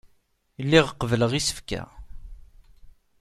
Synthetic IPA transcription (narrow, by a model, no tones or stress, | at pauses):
lːiʁəqːəvələʁisə̥fkæ̰